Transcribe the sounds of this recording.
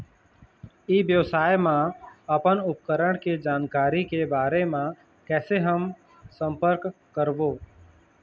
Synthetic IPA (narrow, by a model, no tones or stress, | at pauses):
iːʋjəʋsaːjmãəpənʊp̚kəɾəɳked͡ʒaːnkaːɾikebaːɾemã | kɛːseɦəm | sə̃mpəɾk | kːəɾʋoː